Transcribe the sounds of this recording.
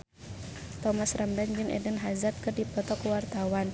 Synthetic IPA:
t̪ɔmasramdand͡ʒɨŋɛ̰dənɦazat̪̚kɨrdipɔt̪ɔkuwart̪awan

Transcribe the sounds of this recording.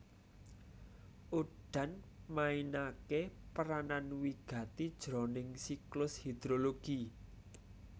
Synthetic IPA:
uɖ̥a̤nmainakepəɾananwiɡ̥ä̤t̪id̥ʒ̥ɾɔ̤nɪŋsiklʊshid̪̥ɾoloɡ̥i

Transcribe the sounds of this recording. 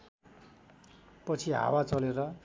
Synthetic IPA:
pʌt͡sʰiɦa̰wat͡sʌleɾʌ

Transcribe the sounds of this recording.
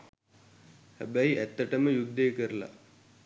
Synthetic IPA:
hæ̰bæiæt̪ːəʈəməjuɡ̚d̪ejkəɾəla̰

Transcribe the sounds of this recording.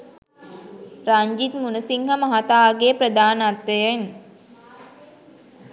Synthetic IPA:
ɾaɲd͡ʒit̪munəsiŋɦəmaɦat̪aːɡepɾəd̪aːnat̪ʋejən

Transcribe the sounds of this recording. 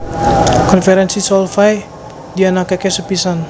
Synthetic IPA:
kɔnfɛɾɛnsisɔlfaj | dianakɛkɛsəpisan

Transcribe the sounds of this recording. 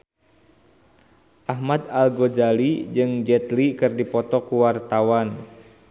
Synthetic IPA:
ʔaɦmad̪alɡod͡ʒalid͡ʒɨŋd͡ʒɛt̪likɨrdipɔt̪ɔkuwart̪awan

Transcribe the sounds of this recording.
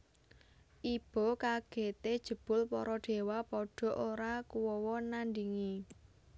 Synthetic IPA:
ʔib̥ɔ̤kaɡ̥e̤t̪ed̥ʒ̥ə̤b̥ʊ̤lpɔɾɔɖ̥e̤wapɔɖ̥ɔ̤ʔoɾakuwɔwɔnand̪iŋe

